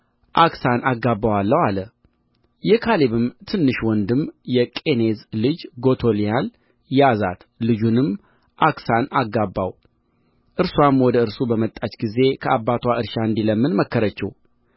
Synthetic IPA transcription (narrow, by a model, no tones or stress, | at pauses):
ʔaksanaɡːabːawalːəwalə | jɛkʰaliβɨmt̪ʰɨnːɨʃwɔnd̪ɨmjɛkʼe̞nezlɨd͡ʒɡo̞t̪ʰo̞lijal | jazat̪ | lɨd͡ʒunɨm | ʔaksanaɡːabːa̰w | ʔɨɾswamwɔd̪əɨɾsubəmət̪ʼːat͡ʃɡize̞kʰəʔabːat̪ʰwaɨɾʃaɨnd̪iləmːɨnməkːəɾət͡ʃːɛ̰w